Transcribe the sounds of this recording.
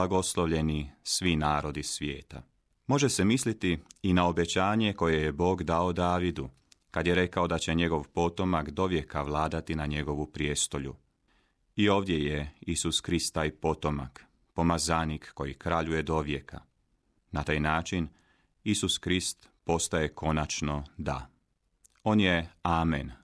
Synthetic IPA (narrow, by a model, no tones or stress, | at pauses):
aɡo̞slˠoʋʎe̞nisʋinaːɾo̞d̪isʋjeːt̪a̰ | mo̞ʒese̞mislit̪iːnao̞be̞t͡ɕaːɲe̞ko̞jejebo̞ːɡd̪ao̞d̪aːʋid̪u | kad̪je̞ɾe̞kao̞d̪at͡ɕe̞ɲe̞ɡo̞ʋpo̞t̪o̞makd̪o̞ʋje̞kaʋlˠaːd̪at̪inaɲe̞ɡo̞ʋupɾje̞st̪o̞ʎṵ | io̞ːʋd̪je̞jeisuskɾist̪ːaːjpo̞t̪o̞ma̰k | po̞mazaːnikːo̞jikɾaʎuje̞d̪o̞ʋje̞kʰa̰ | nat̪aːjnaːt͡ʃin | isuskɾist̪ | po̞st̪aje̞kʰo̞nat͡ʃno̞d̪a̰ | o̞ːnje̞aːmḛn